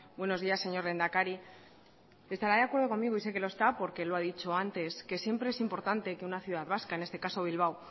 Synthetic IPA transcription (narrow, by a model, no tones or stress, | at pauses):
bwe̞no̞zðiasːe̞ɲo̞ɾle̞nd̪akaɾi | e̞st̪aɾaðeakwe̞ɾðoko̞miɣoise̞ke̞loe̞st̪apo̞ɾke̞loaðit͡ʃo̞ant̪e̞ske̞sje̞mpɾeesimpo̞ɾt̪ant̪e̞ke̞unaθjuðaðβaskaenest̪e̞kaso̞β̞ilβaw